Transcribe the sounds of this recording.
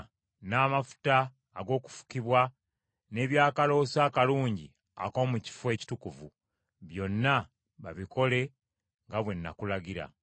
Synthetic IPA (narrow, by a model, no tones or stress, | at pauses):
naːmafu̥taː | ɡo̞ːku̥fu̥kiβwa | ne̞ːβjaːkalo̞ːsaːkaluːɲɟḭ | a̰ko̞ːmuci̥fuwe̞ːci̥tukuvṵ | βjo̞nːa | βaβiko̞le̞ | ŋɡaβwe̞nːa̰kulaɟiɾa̰